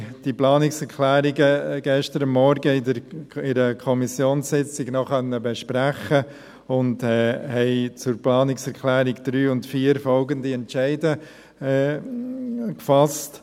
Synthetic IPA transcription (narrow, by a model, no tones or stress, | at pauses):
d̥iplɑːnɪksɛɾkʰlæːɾɪɡəɡ̥ɛʃtəɾəmːɔɾɡəɪdəɾɪɾəkʰɔmisjoːnsɪt͡sɪɡnɔχœnːəbɛʃpɾæχə | ʊndɛːhɛɪt͡sʊɾplɑːnɪksɛɾkʰlæːɾɪɡd̪̥ɾyːʊntfiːəɾfɔlɡəndiɛntʃæɪdə | kfɑst